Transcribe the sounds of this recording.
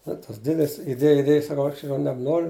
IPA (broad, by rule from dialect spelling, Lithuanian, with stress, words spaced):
ˈnʊ tɐs ˈdʲeːdʲɪs ɪˈdʲeːj ɪˈdʲeːj sɐˈkɐʊ ˈɐʃ jɛʊ nʲɛbˈnoːrʲʊ